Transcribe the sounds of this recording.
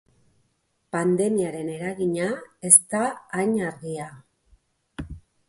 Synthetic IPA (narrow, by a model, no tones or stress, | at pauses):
pand̪e̞miaɾe̞ne̞ɾaɣiɲae̞st̪aːjɲaɾɣia